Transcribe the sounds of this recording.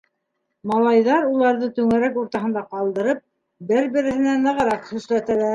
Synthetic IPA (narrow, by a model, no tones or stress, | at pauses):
mɑlˠɑjðɑɾulˠɑɾðɤt̪ɵŋæɾækuɾt̪ɑɦɤ̆nd̪ɑqɑlˠd̪ɤ̆ɾɤp̚ | bɘɾbɘ̆ɾɘ̆hɘ̆nænɤ̆ʁɤ̆ɾɑqhɵ̆ʃlæt̪ælæɾ